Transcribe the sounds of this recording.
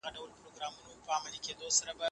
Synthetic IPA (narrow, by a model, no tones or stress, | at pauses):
ɐdɐwɐlpɾoɡɾamːunopaːmɐlikʲet̪oːsɐɾɐba